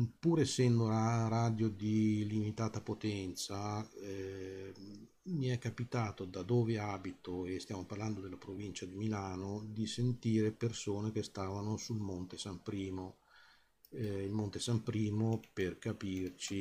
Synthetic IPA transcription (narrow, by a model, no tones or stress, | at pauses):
puːɾesːɛnd̪oaɾaːd̪jod̪ilimit̪aːt̪apot̪ɛnt̪sa | miɛkːapit̪aːt̪od̪ad̪oːveaːbit̪oest̪jaːmoparland̪od̪elːapɾovint͡ʃad̪imilaːnod̪isent̪iːɾepersoːnek̟est̪aːvanosulmont̪esampɾiːmo | ilmont̪esampɾiːmoperkapiːrt͡ʃi